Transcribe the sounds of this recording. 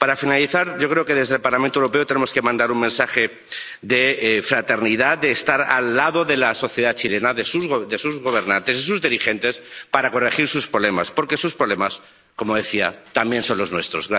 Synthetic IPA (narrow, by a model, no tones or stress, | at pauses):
paɾafinaliθaɾɟ͡ʝo̞kɾe̞oke̞ðe̞zðe̞lpaɾlamẽnt̪oewuɾope̞o̞t̪enemo̞ske̞mãnd̪aɾuŋmẽnsaxe̞ | d̪e̞fɾat̪e̞ɾniðad̪e̞ːst̪aɾa̰lːaðo̞ðe̞laso̞θjeðat͡ʃile̞naðesuzɣd̪e̞suzɣo̞β̞e̞ɾnãnt̪e̞sisuzðiɾixe̞nt̪e̞spaɾako̞re̞xiɾsuspɾoβle̞ma̰spo̞ɾke̞suspɾoβle̞mas | ko̞mo̞ðe̞θiat̪ambje̞nso̞nlo̞znwe̞st̪ɾo̞zɣɾa